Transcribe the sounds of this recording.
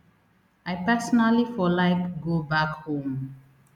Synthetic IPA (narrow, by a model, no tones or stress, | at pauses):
ajpɛsɔnalifɔlaɪkɡobakhõm